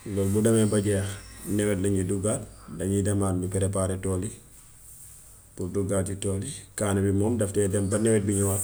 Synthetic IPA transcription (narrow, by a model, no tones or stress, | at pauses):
lɔlbudɐmɛbɐɟɛːxnɛwɛtlɐɲiduɡat̚dɐɲidɐmaːnɲupɛɾɛp̬aːɾɛtoːli | puɾduɡaːt̚d͡ʒitolikaːnabimɔːmdɐftɛdɐmbɐnɛwɛt̚biɲuwa